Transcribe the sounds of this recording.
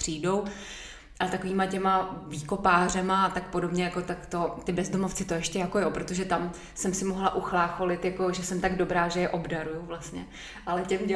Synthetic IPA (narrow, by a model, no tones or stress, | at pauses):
r̝̥iːdo̞w | ʔalɛt̪akoiːmacɛmaviːko̞paːr̝ɛmaat̪akpo̞dobɲɛjako̞t̪akt̪ot̪ɪbɛzdo̞moft͡sɪt̪ojɛʃcɛjakojopɾo̞t̪oʒɛt̪am | sɛmsɪmoɦlaʔuxlaːxo̞lɪt̪jako̞ʒɛsɛmt̪aɡdo̞bɾaːʒɛjɛʔo̞bdaɾujuvlast̪ɲɛ | ʔalɛcɛmɛ